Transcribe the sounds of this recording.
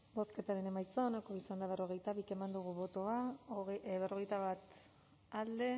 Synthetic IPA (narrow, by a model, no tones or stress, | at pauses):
bo̞ske̞t̪aɾe̞ne̞majt͡soːnako̞isand̪aβero̞ɣe̞jt̪aβikemand̪uɣ̞uβo̞t̪oa | βerʔo̞ɣ̞ejt̪aβat̪ | ald̪e̞